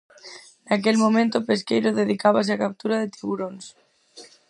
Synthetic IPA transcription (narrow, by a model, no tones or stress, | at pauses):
nakelmõmẽnt̪opeskejɾoðeðikaβ̞as̬eakap̚t̪uɾaðet̪iβuɾons